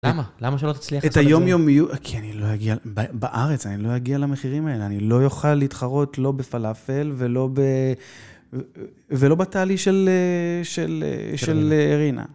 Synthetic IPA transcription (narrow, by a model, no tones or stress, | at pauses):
lamalamaʃ̬eot̪ḁt͡sliaetajjo̞mjomiuʔkʰianilo̞jaɡiababaʔaʁet͡sanilo̞jaɡialameχiʁimae̞leanilo̞joχalːitχaʁo̞tlo̞be̞falafelvelo̞be | velo̞bataliʃeleʃel̰ʃeleʁina̰